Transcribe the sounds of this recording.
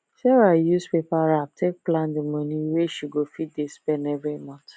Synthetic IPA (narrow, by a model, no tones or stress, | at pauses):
ʃɛɾajuspepaɾatʰek̚plãndimɔ̃nĩweʃiɡofidespɛnɛvɾimɔ̃t